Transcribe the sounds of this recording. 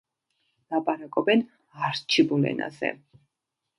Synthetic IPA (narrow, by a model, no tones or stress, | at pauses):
lapʼaɾakʼɔbɛn | aɾt͡ʃʰibulɛ̰na̰zɛ̰